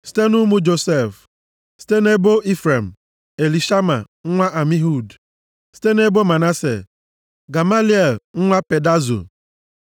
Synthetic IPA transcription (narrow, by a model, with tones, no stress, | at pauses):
si̥˦te˦nu˦mu˦d͡ʒo˨se˦˨f | si̥˦te˦ne˦bo˦i˦fɾe˨m̩˨ | e˨li˨ʃa˦ma˨ | ŋ̩˦ŋʷa˦ʔa˨mi˦ɦu˦˨d | si̥˦te˦ne˦bo˦ma˨na˦sḛ˨ | ɡa˨ma˦li˦e˨lŋ̩˦ŋʷa˦pe˨da˦zo̰˨